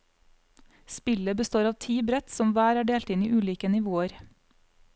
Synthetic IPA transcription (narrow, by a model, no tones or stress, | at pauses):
spɪləbəst̪oːɾɑːʋt̪ʰiːbɾɛt̪sɔmʋæːɾæːɖeːlt̪ɪniːʔʉːliːkənɪʋoːəɾ